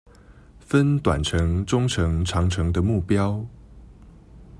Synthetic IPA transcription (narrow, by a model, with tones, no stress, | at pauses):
fə˦nt̪wa̰˨˩nʈ͡ʂʰɤ˧˦ŋʈ͡ʂʊ˥ŋʈ͡ʂʰɤ˧˥ŋʈ͡ʂʰɑ˨˧˥ŋʈ͡ʂʰɤ˧˥ŋd̪ə˧mu˥˩pjɑ˥ʊ